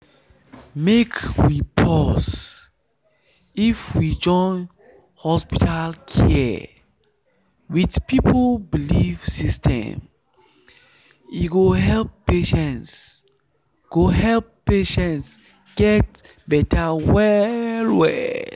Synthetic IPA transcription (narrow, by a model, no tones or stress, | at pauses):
mekwipʰɔs | ifwid͡ʒɔ̃n | hɔspitʰalkʰɛ | widpipʰlbiliv̥sistʰɛ̰̃m | iɡoɦɛlpːeʃɛ̃ns | ɡ̥oɦɛlpːeʃɛ̃nts | ɡ̥ɛt̚ | bɛtʰawɛlwɛ̰